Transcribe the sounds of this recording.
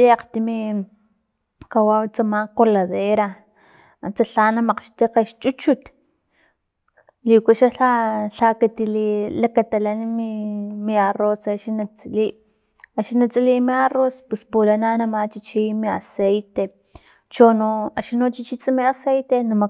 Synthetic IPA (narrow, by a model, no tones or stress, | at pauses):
iaqt̪imi | kawawt͡samakolaðeɾa | ant͡saɬaːnamaqʃt̪iqeʃt͡ʃʼut͡ʃut̪ | likaʃaɬaɬakat̪ililakat̪alanmimiarosaʃinat͡sʼiliʔ | aʃinat͡sʼiliʔmiarospespulananamat͡ʃit͡ʃimiasejt̪e | t͡ʃonoaʃinot͡ʃit͡ʃit͡sʼimiasejt̪enama